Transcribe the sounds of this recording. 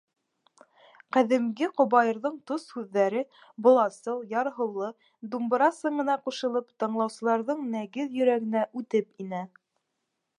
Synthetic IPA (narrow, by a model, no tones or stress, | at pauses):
qæðɘ̆mɡɘqŏbɑjɤ̆ɾðɤɴt̪oshʉðːæɾɘ | bŏlˠɑsɤw̪ˠjɑɾɦɤ̆wlˠɤ | d̪umb̆ɾɑsɤ̆ɴɤ̆nɑquʃɤ̆lˠɤpt̪ɤ̆ɴlˠɑwsɤ̆lˠɑɾðɤɴnæɡɘðjɵ̆ɾæɡɘ̆næʔʉt̪ɘpinæ